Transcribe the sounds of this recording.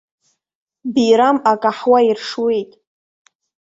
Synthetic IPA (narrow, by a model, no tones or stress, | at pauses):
biɾamakʼaħwairʂwe̞jtʼ